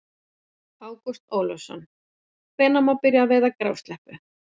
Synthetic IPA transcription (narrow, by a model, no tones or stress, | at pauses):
aːwkust̪oːwlɔsɔ̰nː | vɛːnamawpɪɾjaːvɛːðakɾaːwst̪lɛhpʏ